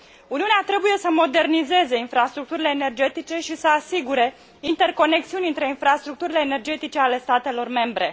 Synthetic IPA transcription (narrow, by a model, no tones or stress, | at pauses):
uniuneat̪ɾe̞buje̞səmo̞d̪e̞rnize̞ze̞infɾast̪ɾuk̚t̪uɾile̞ːne̞rd͡ʒe̞t̪it͡ʃe̞ʃisəasiɡuɾe̞ | int̪e̞rko̞ne̞k̚siunʲɨnt̪ɾe̞infɾast̪ɾuk̚t̪uɾile̞ːne̞rd͡ʒe̞t̪it͡ʃe̞ale̞st̪at̪e̞lo̞rme̞mbɾe̞